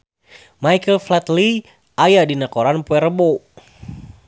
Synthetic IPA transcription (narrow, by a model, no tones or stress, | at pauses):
majkəlflɛt̪li | ʔajadinakoɾanpuɛɾəbo